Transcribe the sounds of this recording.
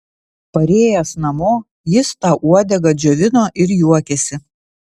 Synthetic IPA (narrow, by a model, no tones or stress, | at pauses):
pɐɾʲeːjɛsnɐmoː | jɪst̪ɑːʔuɔd̪ʲɛɡɐd͡ʒʲoʋʲɪnoːʔɪɾjuɔkʲɛsʲɪ